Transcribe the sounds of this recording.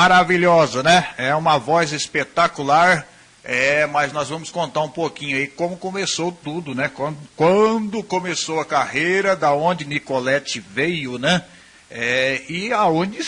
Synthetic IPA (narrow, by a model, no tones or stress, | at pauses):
maɾaviʎɔzɐnɛɛũmɐvɔzespet̪akulaɾ | ɛmɐznɔzvɐ̃mʊskõnt̪aɾũpokĩɲʊɐikõmʊkõmesowt̪ud̪ʊnɛkwɐ̃d̪ʊkwɐ̃d̪ʊkõmesowɐkahejɾɐd̪ɐõd͡ʒɪnikolɛt͡ʃɪvejʊnɛ | ɛɪaõd͡ʒɪ